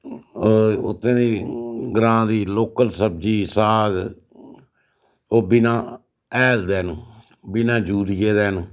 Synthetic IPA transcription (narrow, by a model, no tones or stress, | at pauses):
ʊt̪ʰːẽːd̪iːɡɾãːd̪iːloːkəlsəb̚d͡ʒiːsaːɡ | oːbɪnãː | ɛːld̪ɛːn | bɪnãːd͡ʒuːɾɪjeːd̪ɛːn